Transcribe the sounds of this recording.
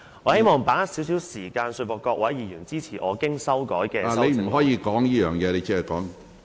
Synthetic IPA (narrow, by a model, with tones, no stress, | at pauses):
ŋɔː˨˧he˥jmɔː˨ŋpaː˨˥siː˨˥ws̬iː˨˥wsiː˨˩kaː˧nsɵ˧fɔː˨˩kːɔː˧k̚wɐ˨˥jjiː˨˩jyː˨˩nt͡siː˥t͡sʰiː˨˩ʔɔː˨˧kɪ˥ŋsɐ˥wkɔ̰ː˨˥jkɛː˧a˨ɐ˥le˧m̩˨˩ɦɔː˨˥jiː˨˧˥kɔː˨˥ŋjiː˥jœː˨˩ŋjɛː˨˧le˧t͡sɛ˥ɛ˨˩kɔː˨˥ŋ